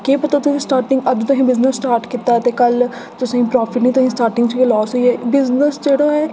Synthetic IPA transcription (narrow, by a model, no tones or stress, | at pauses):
keːpət̪aːt̪ʊsĩːsʈaːɾʈɪ̃ŋɡəd̪t̪ʊsĩːbɪznəsːʈaːɾʈkɪt̪ːaːt̪eːkəl | t̪ʊsĩːpɾɔːpʰɪʈnĩːt̪ʊsĩːsʈaːɾʈɪ̃ŋɡt͡ʃːeːlɔːsɦoiɛːbɪznəsd͡ʒeːɽoːɦɛː